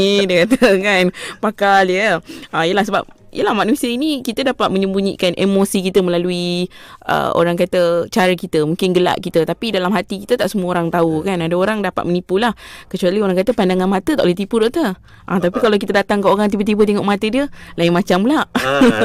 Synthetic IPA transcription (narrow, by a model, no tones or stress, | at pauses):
dəkat̪əkanpakaljəaijəlahsəba̰p̚ | ḭjəlahmaʔnuisəinikit̪ədapat̪̚məɲəmbuɲḭkanʔḛmosikit̪əməlaluiə̰o̰ɾaŋkat̪ət͡ʃaɾəkit̪əmuŋkɪnɡəla̰ʔkit̪ət̪apidalamɦat̪ikit̪ət̪aʔsəmuəoɾaŋt̪aukanadəoɾaŋdapat̪mənipulahkət͡ʃualioɾaŋkat̪əpandaŋanmat̪ət̪aʔlɛht̪ipudɔʔt̪ə | ʔa̰t̪ap̬ikalawk̬it̪ədat̪aŋkəoɾaŋt̪ipət̪̬ipət̪̬eŋɔʔmat̪ədiəlajɪŋmat͡ʃamlaʔ